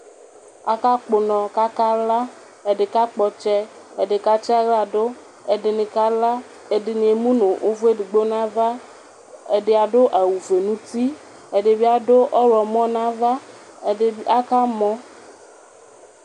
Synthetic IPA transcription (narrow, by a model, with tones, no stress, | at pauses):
a̰˨ka˦k͡po˨nɔ̃˨ka˦ka˦la˦ | e˨ɖe˨ka˦k͡pɔ˨t͡ʃɛ˦ | e˨ɖe˨ka˦t͡ʃa˦ɣa˨ɖo˦ | e˨ɖe˨nẽ˨ka˦la˦ | e˨ɖe˨nĩ˨e˨mũ˦nõ˨ʔo˦vu˦e˦ɖe˨ɡ͡bo˦nã˦va˦ | e˨ɖe˨a˨ɖo˦ʔa˨wu˨ve˨nũ˦t̪i˦ | e˨ɖe˨bi˦a˨ɖo˦ʔɔ˦ɾɔ˨mɔ̃˦nã˦va˦˨ | e˨˦a˦ka˦mɔ̃˦